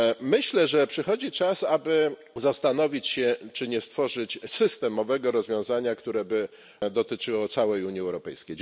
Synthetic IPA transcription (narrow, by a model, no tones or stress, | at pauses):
mɘɕlɛʐɛpʂɘxɔd͡ʑit͡ʂasabɘ | zast̪an̪ɔvʲit͡ɕɕɛt͡ʂɘɲɛst̪fɔʐɘt͡ɕsɘst̪ɛmɔvɛɡɔɾɔzvʲjɔ̃w̃zaɲakt̪uɾɛbɘ | d̪ɔt̪ɘt͡ʂɘwɔt̪sawɛjuɲjiɛwɾɔpɛjskʲej